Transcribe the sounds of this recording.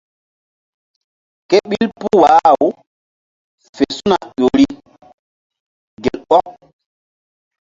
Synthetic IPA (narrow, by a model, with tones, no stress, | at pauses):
ke˦ɓi˦lpu˦wa˨˦˨w | fe˨su˦na˨ʄo˨ɾi˦ | ɡe˨lɓɔ˦k